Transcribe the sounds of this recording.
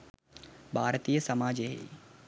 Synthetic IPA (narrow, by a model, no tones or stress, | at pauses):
bʱaːɾt̪ijəsɐmaːd͡ʒeɦḛː